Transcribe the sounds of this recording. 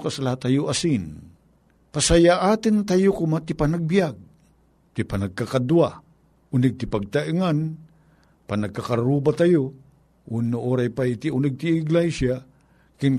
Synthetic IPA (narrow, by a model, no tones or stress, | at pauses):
kasalahat̪ːajoʔasin | pasajaʔaːt̪ɪnt̪ajokʊmat̪ɪpanaɡ̚bijaɡ̚ | t̪ipanaɡ̚kakad̪ua | ʊnɪɡ̚t̪ɪpaɡ̚t̪aʔiŋan | panaɡ̚kakaɾɾubat̪ajo | ʔunoʔoɾajpait̪iunɪɡ̚t̪iːɡlajsja | kɪnk